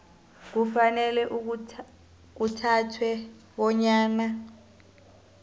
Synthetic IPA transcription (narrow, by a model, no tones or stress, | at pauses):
k̬ufanɛlɛʔu | k̬utʰatʰwɛ | ɓɔɲaːna